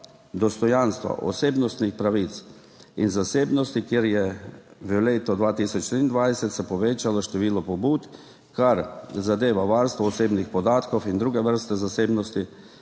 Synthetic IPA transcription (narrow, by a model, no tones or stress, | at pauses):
d̪ɔst̪ɔjanst̪ʋa̰ʔɔ̰seːbnɔst̪nixpɾaʋit̪s | inzaseːbnɔst̪ikjeɾjɛʋəleːt̪ɔd̪ʋaːt̪isɔt͡ʃt̪ɾind̪ʋajsɛt̪sɛpɔʋeːt͡ʃalɔʃt̪ɛʋiːlɔpɔbuːt̪ | kaɾzad̪eːʋaʋaɾst̪ʋɔːseːbnixpɔd̪aːt̪kɔwind̪ɾuːɡɛʋəɾst̪ɛzaseːbnɔst̪i